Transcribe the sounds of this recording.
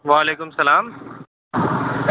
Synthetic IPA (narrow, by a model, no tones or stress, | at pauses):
ʋaːleːkʊmsɐlaːm